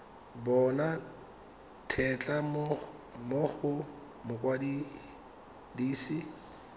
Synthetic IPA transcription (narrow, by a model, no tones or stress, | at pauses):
bɔna | tʰɛt͡ɬʼa | mʊχʊ | mʊkʼwadi | diːsi